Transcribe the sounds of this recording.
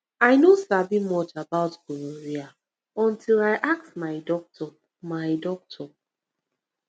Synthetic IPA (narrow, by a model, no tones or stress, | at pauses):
aɪnosabimɔtabaʊtɡuloɹia | ɔ̃ntʰilaɪʔak̚tmaɪdɔk̚tʰɔ | maɪdɔk̚tʰɔ